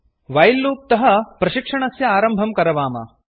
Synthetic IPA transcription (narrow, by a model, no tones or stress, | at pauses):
ʋɐjlːuːp̚t̪ɐɦɐpɾɐʃikʂɐɳɐsjɐaːɾɐmbʱɐmkɐɾɐʋaːmɐ̰